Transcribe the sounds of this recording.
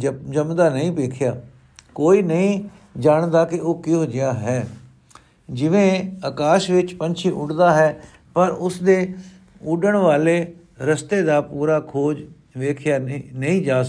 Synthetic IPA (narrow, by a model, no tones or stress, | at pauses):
d͡ʒəmd̪aːnəĩːpeːkʰjaː | koːiːnəĩː | d͡ʒaːɳd̪aːkɪʔoːkiɦoːd͡ʒɪjaːɦɛː | d͡ʒɪʋẽːəkaːʃʋɪt͡ʃpə̃nt͡ʃʰiːʔʊɖd̪aːɦɛː | pəɾʊsd̪eː | ʊɖəɳ̃ʋaːleː | ɾəst̪eːd̪aːpuːɾaːkʰoːd͡ʒ | ʋeːkʰjaːnəĩːd͡ʒaːs